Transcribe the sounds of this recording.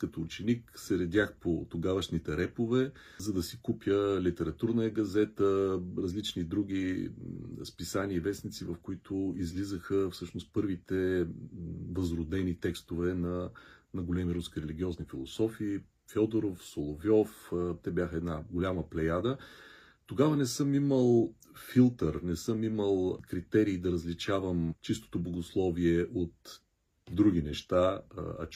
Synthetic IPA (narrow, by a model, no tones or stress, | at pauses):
kɐt̪oːt͡ʃɛniksɛɾɐd̪jaxpot̪oɡavɐʃnit̪ɛɾɛpovɛ | zɐd̪ɐsikupjəlit̪ɛɾɐt̪uɾnəjəɡɐzɛt̪əɾɐzlit͡ʃnid̪ɾuɡʲi | spisaniəivɛsnit̪sivɐfkoit̪ʊizlizəxəfsɤʃnost̪̚pɤɾvit̪ɛ | vɐzɾʊd̪ɛnit̪ɛkst̪ovɛnɐnɐɡolɛmiɾuskʲiɾɛlʲiɡʲiɔznifilˠosɔfiː | fʲɔd̪oɾofsolˠovjɔft̪ɛbʲjaxəɛd̪naɡolʲaməplɛjad̪ə | t̪oɡavənɛsɤmiməlˠ | filˠt̪əɾnɛsɤmiməlˠkɾit̪ɛɾiːd̪ɐɾəzlit͡ʃavəmt͡ʃist̪o̥t̪oblˠɐɡoslˠɔviɛʔot̪ | d̪ɾuɡ̟ʲinɛʃt̪aɐ̰